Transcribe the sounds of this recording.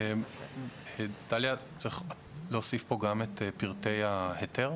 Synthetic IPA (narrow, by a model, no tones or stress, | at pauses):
e | ed̥aljat͡sʁiχ | leosifpo̞ɡametepiʁte̞jahete̞ʁ